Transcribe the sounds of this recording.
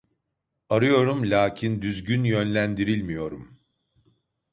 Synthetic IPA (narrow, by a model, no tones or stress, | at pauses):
aɾɯjo̞ɾumlʲaːcʰind̪yzɟynjønlʲænd̪iɾilʲmijo̞ɾum